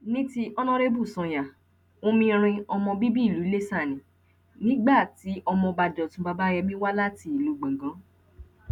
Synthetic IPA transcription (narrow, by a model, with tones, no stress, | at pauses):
nĩ˦ti˦ʔɔ˦nɔ̃˦ɾe˦bu˦˨sɔ̃˨˧ja˨ | o˦mĩ˧ɾ̃ĩ˧ɔ˧mɔ̃˧bi˦bi˦˨lu˨˦le˦sa˦˨nĩ˨ | nĩ˦ɡ͡ba˦˨ti˨˦ʔɔ˧mɔ̃˧ba˧d͡ʒɔ˨tũ˧˦ba˧ba˦jɛ˧mĩ˦wa˦la˦ti˧˦i˨lu˨˦ɡ͡bã˨ɡã˨˦